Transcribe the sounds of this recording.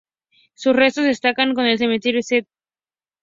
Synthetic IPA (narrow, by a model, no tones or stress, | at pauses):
susrest̪oðest̪akaŋkonelsemet̪iɾeset̪̚